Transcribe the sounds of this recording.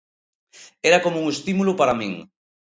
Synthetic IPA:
ɛɾakomouŋest̪imulupaɾamḭ̃ŋ

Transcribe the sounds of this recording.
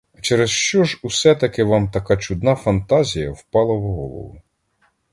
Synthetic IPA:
t͡ʃɛɾesʃt͡ʃɔʒusɛt̪ɐkɪʋɑmt̪ɐkɑt͡ʃʊd̪nɑfɐnt̪ɑzʲijɐwpɑlˠɐwɦɔlˠɔ̰ʋʊ̰

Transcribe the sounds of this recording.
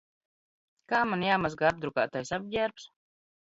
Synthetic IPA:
kaːmanjaːmazɡaab̚d̪ɾuka̰ːt̪ajsab̚ɟʲæɾps

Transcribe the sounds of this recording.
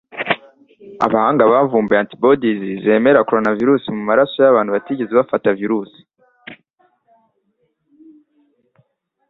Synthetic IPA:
a̰βahaːŋɡaβaːɱvuːmbeantibodizize̞ːme̞ɾakoɾonaviɾuːsimumaɾaso̞jaβaːnhuβatiːɟe̞zeβafataviɾuːsi̥

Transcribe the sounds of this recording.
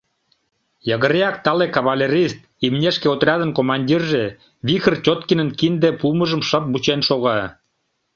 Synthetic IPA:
jɑɣə̆ɾejɑk̚t̪ɑlekɑβalʲeɾʲist̪̚ | imnʲeʃkeot̪rʲɑd̪ənkomɑnʲdʲirʒe | βʲixərt͡ɕʲot̪kinə̆nkind̪epuməʒə̆mʃəp̚but͡ɕenʃoɣɑ

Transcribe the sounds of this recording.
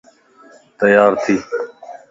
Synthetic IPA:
t̪əjaːɾt̪ʰiː

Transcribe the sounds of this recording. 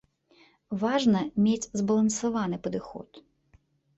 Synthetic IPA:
ʋɑʒnɐmʲat͡sʲzbɐlˠɐnsʊʋɑnɪpɔd̪ɪxɔ̰t̪

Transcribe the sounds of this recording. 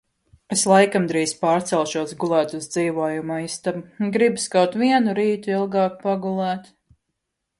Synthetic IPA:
eslˠajkamd̪ɾiːspɑːɾt̪sɛlˠʃuɔsɡulˠæːt̪uzd̪z̥iːʋɔɔjumaist̪abɡɾibskawt̪ʋiɛnuɾiːt̪uilˠɡɑːk̚paɡulˠæːt̪

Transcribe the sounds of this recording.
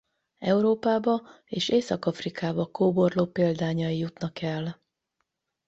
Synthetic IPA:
ɛuɾoːpaːbɒ | eːʃeːsɒkɒfrikaːbɒkoːborloːpeːld̪aːɲɒjijut̪nɒkɛl

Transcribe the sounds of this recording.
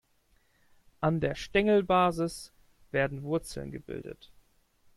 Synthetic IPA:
ʔandeːɐʃtɛŋl̩baːzɪs | v̥eːɐdn̩vʊɐt͡sl̩nɡəbɪ̰ldə̰t

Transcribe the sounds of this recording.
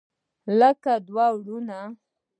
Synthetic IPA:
ləkad̪wawɽuna

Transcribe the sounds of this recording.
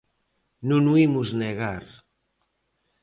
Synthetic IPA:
nunuimuzneɣaɾ

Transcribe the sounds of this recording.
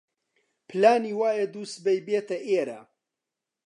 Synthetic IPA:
pʰɨlaːniːwaːjed̪uːst̪̚bɐjbeːt̪ɐʔeːɾa̰

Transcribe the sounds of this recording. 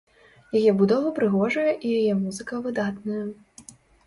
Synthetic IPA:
jajɛbud̪ɔvɐpɾɨɣɔʐɐjɐʔijajɛmuzɨkɐvɨd̪at̪nɐjɐ

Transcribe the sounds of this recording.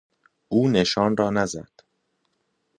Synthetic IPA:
ʔuːne̞ʃɒːnrɒːnæzæ̰d̪̥

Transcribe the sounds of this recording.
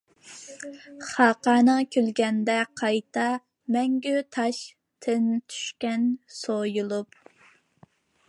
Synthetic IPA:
χɑːqɑːnəŋkʲʰølɡʲɛnd̪ɛqʰɑjt̪ʰɑ | mɛŋɡʲyt̪ʰɑʃ | t̪ʰɪnt̪ʰy̥ʃkʲɛnsojulˠup

